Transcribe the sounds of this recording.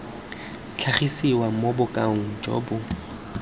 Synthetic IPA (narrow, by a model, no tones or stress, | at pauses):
t͡ɬʰaχisiwamobʊkʼaŋ̩d͡ʒɔ̰ːbʊ